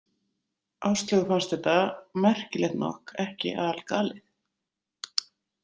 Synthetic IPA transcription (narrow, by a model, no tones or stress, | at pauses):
awst̪lɛɣʏfanst̪ɛht̪amɛr̥cɪlɛɣt̪nɔ̰hkɛhcɪ̰ʔa̰ːðalkaːlɪθ